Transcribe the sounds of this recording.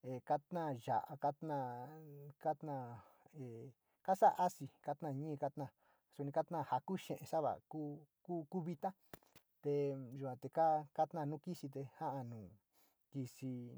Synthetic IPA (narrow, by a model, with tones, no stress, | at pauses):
e˨ka˦t̪nã˦˨ʒa̰˨ʔa˧ka˦t̪nã˦˧˨ | ka˦t̪nã˦˧˨ | e˨ | ka˦sa˦ʔa˦si˧ka˦t̪nã˦˧˨ɲĩ˦˧ka˦t̪nã˧˨ | su˧nĩ˧ka˦t̪nã˦˧˨ha˧ku˦ʃḛ̃˨ʔẽ˧sa˦βa̰˨ku˦ku˦ku˦βi˧t̪a˦ | t̪e˧ʒu˨kʷã˧˨t̪e˧ka˦ka˦t̪nã˦˧nũ˦ki˦si˧t̪e˧ha˦ʔa˧nũː˨ | ki˧si˧